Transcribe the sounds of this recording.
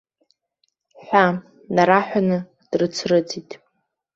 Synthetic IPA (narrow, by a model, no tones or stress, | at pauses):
ħʷa | naɾaħʷᶣanɨ | d̥rɨt͡sʰrɨd͡zitʼ